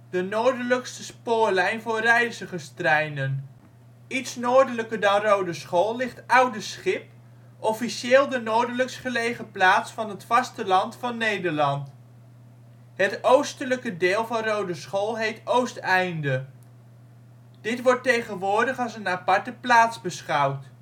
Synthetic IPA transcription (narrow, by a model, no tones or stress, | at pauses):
d̥ənoːɹdələkstəspʊːɹlɛjnvʊːrɛjsəχəstrɛjnən | itsnoːɹdələkəɹdɑnrowdəsχolˠlɪχtʌwdəsχɪp̚ | ʔɔfiʃeːlˠdənoːɹdələksχəlejχəplaːtsfɑnɦətfɑstəlɑntfɑnːejdəɹlɑnt | ɦətowstələkədɪːlˠvɑnrowdəsχolˠɦejtowstɛjndə | d̥ɪtʋɔɹtejχənʋʊːɹdəχɑlˠsənapɑɹtəplaːtzbəsχʌwt